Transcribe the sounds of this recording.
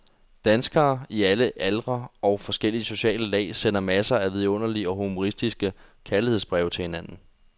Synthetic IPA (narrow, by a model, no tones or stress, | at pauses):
d̥ænsɡ̥ɐːiæləʔælʁɐɒ̽ʊfɒ̽sɡ̥el̰iəso̝ɕɛ̰ːləlɛ̰ːsenɐmæsɐæʋið̞ˠɔ̽n̰ɐliəɒ̽ɦumo̝ʁisd̥isɡ̥ə | kʰælihe̝ðˠsb̥ʁɛʊt͡sʰe̝hinæn̰n̩